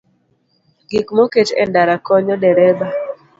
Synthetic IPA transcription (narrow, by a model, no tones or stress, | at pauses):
ɡikmoket͡ʃɛ̰ndaɾakɔɲɔdɛɾɛba